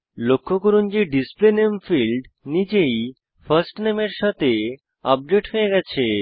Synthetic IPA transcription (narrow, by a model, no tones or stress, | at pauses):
lokʰːokoɾund͡ʑeɖisplenemfilɖnid͡ʑej | fɐɾsʈnemeɾʃɔt̪ʰe | ɔb̚ɖeʈɦojeɡɛt͡ɕʰe